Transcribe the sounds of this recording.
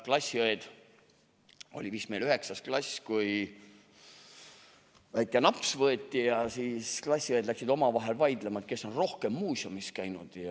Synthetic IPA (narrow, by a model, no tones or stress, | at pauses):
klɑsʲːiojed̪̥ | o̞̰lʲivismejlyhe̞ksɑsklɑsʲkuj | væjt̪ːˑɑnɑpsvɤet̪ʲːijɑsiːsklɑsʲːiojd̪læksid̪o̞mɑvɑɦe̞lvɑjd̪lemɑt̪̚ke̞sːo̞nro̞hke̞mːuːsiomiskæjnud̪̥jɑ